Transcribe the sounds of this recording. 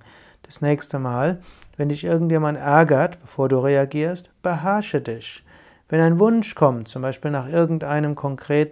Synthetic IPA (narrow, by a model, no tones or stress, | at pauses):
d̥asnɛːçstəmaːlvɛndɪçʔɪɐɡŋ̩tjeːmantʔɛɐɡɐtb̥əfoːɐduːʁeaɡiːɐstb̥əɦɛɐʃədɪç | v̥ɛnaɪnvʊnʃkʰɔmtt͡sʊmbaɪʃpiːlnaːχʔɪɐɡŋ̩tʔaɪnəmkʰɔŋkʁ̥eːt